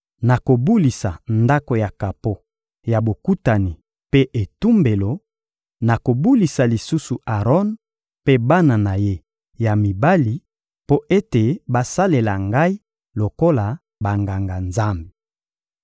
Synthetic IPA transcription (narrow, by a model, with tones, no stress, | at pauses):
na˨ko˨bu˦li˨sa˨nda˦ko˨ja˨ka˨po˦ | ja˨bo˨ku˦ta˨ni˨ | pe˦ʔe˨tu˦mbe˨lo˨ | na˨ko˨bu˦li˨sa˨li˨su˦su˨ʔa˨ʁɔ˦n | pe˦ba˦na˨na˨je˦ | ja˨mi˨ba˦li˨ | po˦ʔe˦te˨ba˦sa˦le˨la˨ŋɡa˦i˦ | lo˨ko˦la˨ | ba˨ŋɡa˨ŋɡa˨nza˦mbe˨